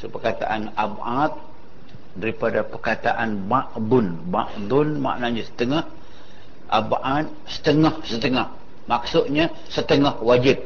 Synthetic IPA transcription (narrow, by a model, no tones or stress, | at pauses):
supərkat̪a̰ʔanabat̪̚ | daɾipadapərkat̪aʔanbaʔbʊn | bã̰ʔbʊnma̰ʔnaɲasə̥t̪əŋah | ʔabʔat̪̚sə̥t̪əŋahsət̪əŋah | maksʊt̪̚ɲa | sət̪əŋahwad͡ʒɪp̚